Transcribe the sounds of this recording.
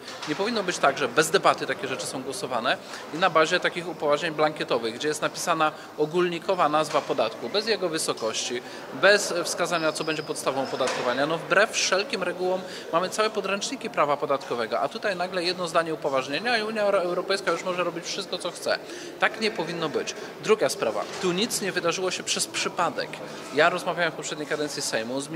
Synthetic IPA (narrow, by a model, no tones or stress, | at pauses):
ɲɛpɔvʲinːɔbɘt͡ɕt̪aɡʐɛbɛzd̪ɛbat̪ɘt̪akʲɛʐɛt͡ʂɘsɔ̃w̃ɡwɔsɔvanɛinabaʑɛt̪akʲixupɔvaʐɲeɲblaŋkʲɛt̪ɔvɘɣɡd͡ʑɛjɛst̪napʲi̥sana | ɔɡulɲikɔvanazvapɔd̪at̪kubɛzjɛɡɔvɘsɔkɔɕt͡ɕi | bɛsfskazaɲat̪sɔbɛɲd͡ʑɛpɔt̪st̪avɔ̃w̃ɔpɔd̪at̪̚kɔvaɲanɔvbɾɛfʂɛlkʲimɾɛɡuwɔmː | amɘt̪sawɛpɔd̪ɾɛnt͡ʂɲikʲipɾavapɔd̪at̪kɔvɛɡɔʔat̪ut̪ajnaɡlɛjɛd̪nɔzd̪aɲɛupɔvaʐɲeɲaiuɲjaɛwɾɔpɛjskajuʂmɔʐɛɾɔbʲit͡ɕfʂɘst̪kɔt̪sɔxt̪sɛ̰ | t̪akɲɛpɔvʲinːɔbɘt͡ɕ | d̪ɾuɡaspɾava̰t̪uɲit̪sɲɛvɘd̪aʐɘwɔɕɛpʂɛspʂɘpad̪ɛ̰k | jaɾɔzmavʲawɛmfpɔpʂɛd̪ɲejkad̪ɛnt̪sʲisɛjmuzmʲ